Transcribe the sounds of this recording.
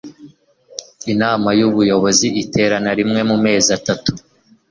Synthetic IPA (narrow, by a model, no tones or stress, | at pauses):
inaːmajuβujo̞βo̞ziite̞ːɾanaɾimŋe̞mume̞ːzatatu